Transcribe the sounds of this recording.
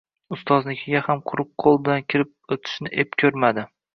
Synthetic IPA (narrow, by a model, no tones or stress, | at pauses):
ʊst̪ʰɒznɪkʲʰɪɡʲahamqʰʊɾʊp̚qʰolˠbɪlankʲʰɪɾɪp̚ot̪ʰɪ̥ʃnɪʔepkʲʰɵɾmad̪ɪ